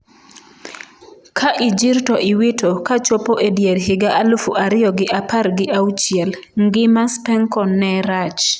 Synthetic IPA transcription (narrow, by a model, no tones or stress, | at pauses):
kʰaʔid͡ʒiɾtɔʔiwitʰokat͡ʃopoʔedjeɾɦɪɡaʔalufuʔaɾɪjɔɡɪʔapaɾɡɪʔaut͡ʃjɛl | ŋɡɪmaspɛŋkɔnɛɾat͡ʃ